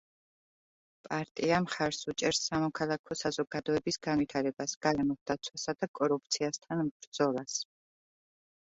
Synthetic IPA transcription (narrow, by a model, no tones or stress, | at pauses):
pʼaɾt̪ʼiamχaɾsut͡ʃʼɛɾsːamɔkʰalˠakʰɔsazɔɡad̪ɔɛbisɡ̥anvit̪ʰaɾɛbasɡ̥aɾɛmɔld̪at̪sʰwasad̪akʼɔɾup̚ʰt̪sʰiast̪ʰanmbɾd̪zɔlˠas